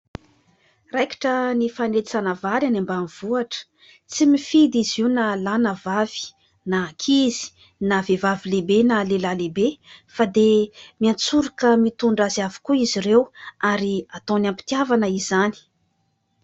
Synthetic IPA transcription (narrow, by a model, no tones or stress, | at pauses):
raki̥ʈ͡ʂənifanet͡sanəvaɾjanambaniv̥uaʈ͡ʂə̥ | t͡simifid̪iziwnalanəvavi̥ | nakʰizi̥ | navevavilebenalelalebefad̪emiant͡suɾikəmit̪uɳɖ͡ʐaziavi̥kuizirewaɾiat̪õnampi̥t̪iavanəizani̥